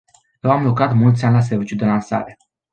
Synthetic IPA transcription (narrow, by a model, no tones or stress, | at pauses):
jewamlokɾat̪mult̪sʲanʲlas̬ervit͡ʃud̪e̞lansa̰ɾe̞